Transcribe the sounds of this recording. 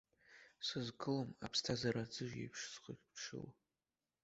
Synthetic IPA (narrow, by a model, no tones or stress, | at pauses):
sɨzɡɨlomapʰstʰazaɾad͡zɨʒḛpʰʂzqokʲʰʈ͡ʂʰɨ̰l